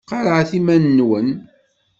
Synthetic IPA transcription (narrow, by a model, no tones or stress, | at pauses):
qːɑɾˤəʕθimænːwən